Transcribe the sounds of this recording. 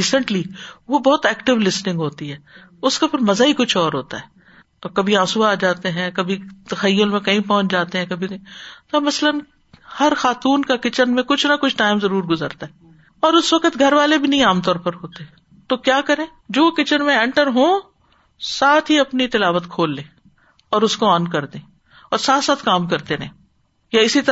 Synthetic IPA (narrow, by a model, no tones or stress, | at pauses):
iːsə̃ɳʈliʋobɔːt̪ɛːkʈɪʋlɪsnɪ̃ŋɡɦoːt̪iɦɛː | ʊskapʰɪɾmɐzaːikʊt͡ʃʰɔːɾɦoːt̪a̰ɦɛː | kɐbʱiãːsuaːd͡ʒaːt̪eɦɛ̃kɐbʱit̪ɐxɐjːʊlmẽkɐĩpɔɦʊ̃t͡ʃd͡ʒaːt̪eɦɛ̃kɐbʱikɐĩt̪omɐslən | hɐɾxaːt̪uːnkakɪt͡ʃənmẽkʊt͡ʃʰnɐkʊt͡ʃʰʈaːɪmzɐɾuːɾɡʊzə̰ɾt̪aɦɛː | ɔːɾʊsʋɐkət̪ɡʱɐɾʋaːlebʱinɐɦĩaːmt̪ɔːɾpɐɾɦoːt̪eɛ | t̪oːkjaːkɐɾẽː | d͡ʒoːkɪt͡ʃənmẽɛ̃ːɳʈəɾɦõː | saːt̪ʰɦiɐpnit̪ɪlaːʋət̪kʰoːlːẽː | ɔːɾʊskoaːnkɐɾd̪ẽː | ɔːɾsaːt̪saːt̪ʰkaːmkɐɾt̪enɐĩ | jaɪsit̪ɐ